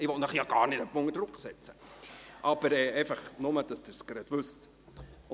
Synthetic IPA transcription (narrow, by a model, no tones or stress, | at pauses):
ɪʋɔnəχjɑɡ̥ɑːɾnɪt̪əpːʊŋːədɾʊkχsɛt͡sə̥ʔɑb̥əɾɛːeɪfɑχnʊməd̥ɑsd̥̪ɪɾskɾɛt̪ʋʉst